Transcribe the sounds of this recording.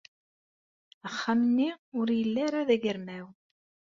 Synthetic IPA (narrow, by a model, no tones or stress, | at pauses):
əχːamənːiʊɾjəlːæɾaðæʝəɾmæw